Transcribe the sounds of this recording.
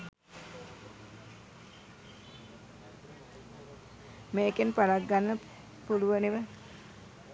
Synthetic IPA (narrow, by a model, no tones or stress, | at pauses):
meːkenpalak̚ɡanːə | puluʋəniʋə